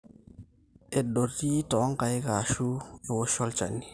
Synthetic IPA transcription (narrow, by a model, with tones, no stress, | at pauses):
e˨ɗo˨ti˦tɔ˨˦ŋ˦ka˨jka˨ʃu˦e˨ko˦ʃɔ˦lt͡ʃa̰˨ni˦